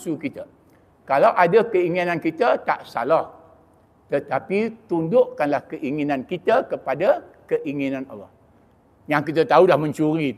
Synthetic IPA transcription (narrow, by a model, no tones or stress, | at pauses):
sukit̪ə | kalawʔadakəiŋinankit̪ət̪a̰ʔsa̰lah | t̪ət̪apit̪undʊʔkanlahkəʔiŋinankit̪əkəpadakəʔiŋinãna̰lːɔ̰h | jaŋkit̪ət̪aulahmə̃ɲt͡ʃuɾi